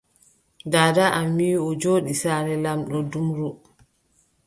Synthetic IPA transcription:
daːdaʔamːiɔd͡ʒoːɗisaːɾɛlamɗɔdumɾu

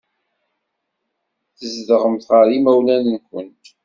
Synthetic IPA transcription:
θəzðəʁəmθʁəɾimæwlænənkʷənt̪

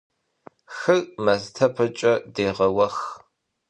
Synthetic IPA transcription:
xɨɣmɐztʰɐpʰɐt͡ʃʼɐdeːʁɐwɐx

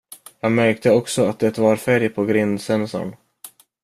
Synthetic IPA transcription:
jɑːɡmæɾk̚t̪əɔksɔat̪̚d̪ɛt̪vɑɾfæɾjpʰɔɡɾɪnd̪sɛnsɔ̰ɳ

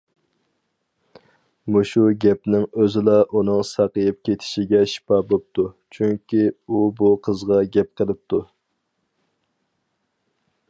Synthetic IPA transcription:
muʃuɡʲɛpnɪŋøzɪlɑʔunɨŋsɑqəjɨp̚kʲʰet̪ʰɪ̥ʃɪɡʲɛʃi̥pɑbop̚t̪ʰu | t͡ʃʰyŋkʲiubuqʰəzʁɑɡʲɛp̚qʰəlˠɨp̚t̪ʰu

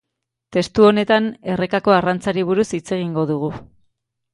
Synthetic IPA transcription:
t̪e̞st̪uo̞ne̞t̪ane̞re̞kako̞arant͡saɾiβ̞uɾusit͡se̞ɣ̞iŋɡo̞ðuɣ̞u

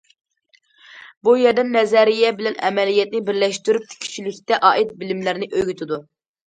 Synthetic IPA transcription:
bujɛɾd̪ɛnːɛzɛɾijɛbɪlɛnɛmɛlijɛt̪nɪbɪɾlɛʃt̪yɾyp̚t̪ʰɪ̥kʲʰy̥t͡ʃʰilɪkʲt̪ɛʔɑːʔit̪̚bɪlɪmlæɾnɪʔøjɡʲyt̪ʰɪd̪u

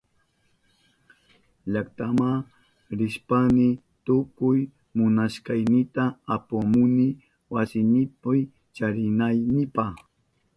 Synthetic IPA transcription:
ʎakt̪ama | ɾɪʃpanɪ | t̪ʊkʊj | mʊnaʃkɑjnɪt̪aːpamʊnɪ | wasɪnɪpaj | t͡ʃaɾɪnajnɪpaχ

